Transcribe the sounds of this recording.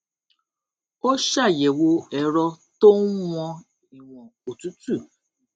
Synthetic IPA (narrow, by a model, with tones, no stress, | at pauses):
o˦ʃa˦˨jɛ˨wo˧ɛ˨ɾɔ˧to˦n̩˦wɔ̃˧ | i˨w̃ɔ̃˨o˨tu˦tu˦˨